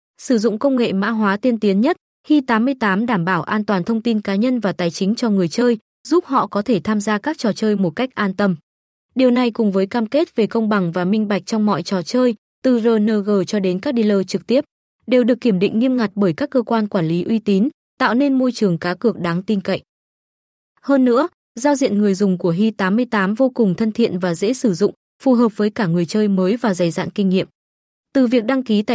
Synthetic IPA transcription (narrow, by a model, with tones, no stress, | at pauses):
sɨ˧˩zʊ̰˧˨ŋ͡mkə˧wŋ͡mŋḛ˧˨ma̰ː˧˥ɦwaː˨˦t̪i˧ənt̪i˨˦ənɲə˦˥t̚ | xi˧t̪aː˨˦mːɨ˧əjt̪aː˨˦mɗaː˧˩mɓaː˧˩wʔaː˧nt̪waː˨˩nt̪ʰə˧wŋ͡mt̪i˧nkaː˨˦ɲə˧nvaː˨˩t̪aː˨˩jt͡ɕï˨˦ŋ̟t͡ɕɔ˧ŋɨ˨˩əjt͡ɕəː˧j | zu˦˥p̚hɔ̰˧˨kɔ˨˦t̪ʰe˧˩t̪ʰaː˧mzaː˧kaː˦˥k̚t͡ɕɔ˨˩t͡ɕəː˧jmo˨˩t̚ka˦˥k̟̚ʔaː˧nt̪ə˧m | ɗi˨˩əwna˨˩jkʊ˨˩ŋ͡mvəː˨˦jkaː˧mke˦˥t̚ve˨˩kə˧wŋ͡mɓa˨˩ŋvaː˨˩mï˧ŋ̟ɓa˨˩jk̟̚t͡ɕɔ˧wŋ͡mmɔ̰˧˨jt͡ɕɔ˨˩t͡ɕəː˧j | t̪ɨ˨˩zəː˨˩nəː˧ɣəː˨˩t͡ɕɔ˧ɗe˨˦nkaː˦˥k̚ɗi˧ləː˧t͡ɕɨ˨˩k̚t̪i˦˥əp̚ | ɗe˨˩wɗɨ˨˩əkːi˧˩əmɗḭ˧˨ŋ̟ŋi˧əmŋa˨˩t̚ɓəː˧˩jkaː˦˥kːəː˧kwaː˧nkwaː˧˩nli˨˦ʔwi˧t̪i˨˦n | t̪a̰ː˧˨wne˧nmo˧jt͡ɕɨ˨˩əŋkaː˨˦kɨ˨˩ək̚ɗaː˨˦ŋt̪i˧nkə̰˧˨jʔ | həː˧nːɨ̰˧˥ə | zaː˧wzḭ˧˨ənŋɨ˨˩əjzʊ˨˩ŋ͡mku˧˩əɦi˧t̪aː˨˦mɨ˧əjt̪aː˨˦mvo˧kʊ˨˩ŋ͡mt̪ʰə˧nt̪ʰḭ˧˨ənvaː˨˩zḛ˧˥sɨ˧˩zʊ̰˧˨ŋ͡m | fu˨˩ɦəː˨˩p̚vəː˨˦jkaː˧˩ŋɨ˨˩əjt͡ɕəː˧jməː˨˦jvaː˨˩za˨˩jza̰ː˧˨nkï˧ŋ̟ŋḭ˧˨əm | t̪ɨ˨˩vi˨˩ək̚ɗa˧ŋki˨˦t̪a̰ː˧˨